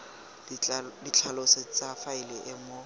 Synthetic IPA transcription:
dit͡ɬʰaloset͡safaɪlɪʔɪmo

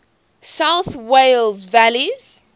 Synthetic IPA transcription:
saʊθwelzvæliz̥

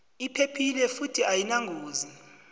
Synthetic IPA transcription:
ipʰepʰilɛfutʰiajinaŋɡʱoːzi

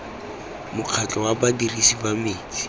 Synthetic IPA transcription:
mʊq͡χʰat͡ɬʼɔwabadirisibamiːt͡si̥

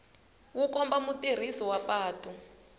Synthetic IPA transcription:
wukɔmbamutir̤isɔwapaːtʼɔ

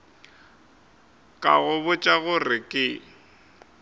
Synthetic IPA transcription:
kʼa̰ɣʊβʊt͡ʃʼaɣʊrɪkʼɪ

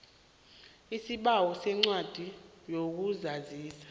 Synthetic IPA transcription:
isiɓawɔsɛŋ͡ǀwad̥ʱi | jok̬uzaziːsḁ

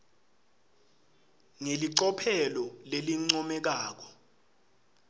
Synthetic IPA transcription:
ŋeliǀɔpʰɛlɔleliŋ͡ǀɔmɛk̬aːk̬ɔ̥

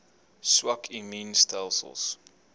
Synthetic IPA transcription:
swakʰimĩnstʰalˠsə̰lˠs

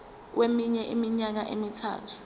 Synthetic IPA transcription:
wemiɲɛʔimiɲak̬aʔemitʰa̰ːtʰu̥

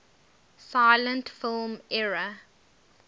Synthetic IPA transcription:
saɪlə̃ntfɪlmɛɹə

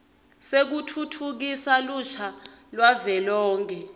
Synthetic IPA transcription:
sek̬utʰutʰuk̬isaluʃʰalwavɛlɔːŋkʰɛ

